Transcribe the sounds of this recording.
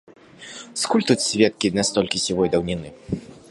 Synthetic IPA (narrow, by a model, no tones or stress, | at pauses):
skulʲt̪ut̪sʲvʲɛt̪̚kʲinʲast̪ɔlʲkʲisʲivɔjd̪ɐwnʲinɨ